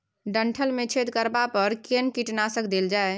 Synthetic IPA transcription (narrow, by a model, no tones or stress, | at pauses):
ɖəɳʈʰəlmẽt͡ʃʰet̪kəɾbapəɾkenkiʈnasəkd̪eld͡ʒae